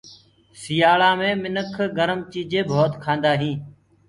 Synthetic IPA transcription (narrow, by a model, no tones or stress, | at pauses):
sɪjaːɭãːmẽːmɪnəkʰɡəɾəmt͡ʃiːd͡ʒẽːbʱoːt̪kʰãːnd̪aːɦĩː